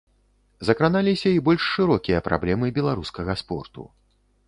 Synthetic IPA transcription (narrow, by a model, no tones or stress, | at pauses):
zɐkɾanalʲisʲɐibɔlʲʂːɨɾɔkʲijɐpɾʔa̰blʲɛmɨbʲɛlˠaɾuskɐɣɐspɔ̰rt̪ṵ